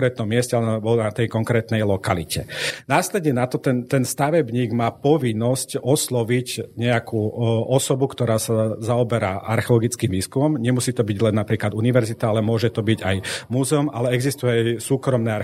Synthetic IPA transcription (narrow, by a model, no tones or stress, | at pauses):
ɾɛːt̪nɔmːɪɛscɛalɛbɔlnat̪ɛjkɔŋkɾɛːt̪nɛjlɔkalḭcɛnaːslɛd̪ɲɛnat̪ɔt̪ɛnt̪ɛnst̪aʋɛbɲiːɡmaːpɔʋinːɔscɔslɔʋicɲɛakʰuːɔsɔbukt̪ɔɾaːsazaɔbɛɾa̰ʔa̰ɾxɛɔlɔɡit͡skiːmʋiːskumɔmɲɛmusiːt̪ɔbiɟlɛnːapɾiːklad̪uniʋɛɾzit̪aalɛmʊɔʒɛt̪ɔbiɟa̰jmuzɛɔma̰lɛɛɡzist̪ujɛajsuːkɾɔmnɛaɾ